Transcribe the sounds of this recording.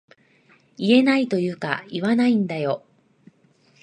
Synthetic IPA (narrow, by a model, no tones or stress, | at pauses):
ie̞nait̪o̞jɯ̟ːka̰iβanaĩnd̪ajo̞